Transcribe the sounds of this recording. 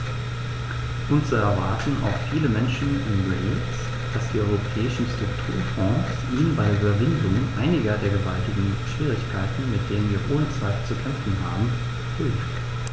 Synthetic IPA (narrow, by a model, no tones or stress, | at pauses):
ʔʊnt͡suɛɐva̰ɐtn̩a̰ʊxfiːləmɛnʃn̩ɪnʁɛ̰s | d̥asd̥iːʔɔʏʁopʰɛːɪʃn̩stʁ̥ʊktʰṵːɐfɔ̃ːsʔiːnənbaɪʔybɐvɪndʊŋʔaɪnɪɡɐdeːɐɡəvaltɪɡŋ̩ʃv̥iːʁ̞ɪçkʰaɪtn̩mɪt̚d̥eːnənviːɐʔoːnət͡sv̥aɪflt͡sukʰɛmfn̩ɦa̰ːbm̩ | ʁ̥yːft